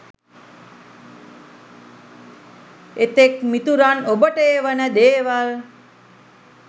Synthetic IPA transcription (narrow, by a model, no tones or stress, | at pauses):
et̪ekmit̪uɾanobəʈeːʋənəd̪eːʋal